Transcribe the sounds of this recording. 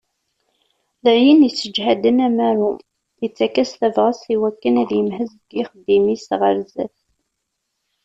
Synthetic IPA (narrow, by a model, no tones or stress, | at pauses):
læjənjət͡sːəd͡ʒhæd̪ənæmæɾu | jət͡sːækːæsθævʁəsiwækːənæðjəmɦəzd̪jɪχəd̪ːimisʁəɾzæ̰θ